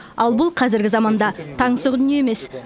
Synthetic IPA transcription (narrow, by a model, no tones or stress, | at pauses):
ɑlˠbʊlˠqʰɑzɪɾɡʲɪzɑmɑnd̪ɑt̪ʰɑɴsəʁd̪ʏnijeeme̞s